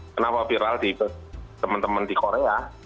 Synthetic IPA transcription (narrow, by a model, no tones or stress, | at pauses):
kənapafiɾald̪̥ipət̪əmənt̪əmənd̪̥ikoɾeja